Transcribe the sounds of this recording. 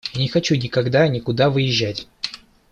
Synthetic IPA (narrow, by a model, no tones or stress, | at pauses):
nʲɪxɐt͡ɕunʲɪkɐɡd̪anʲɪkʊd̪avɨjɪʑːætʲ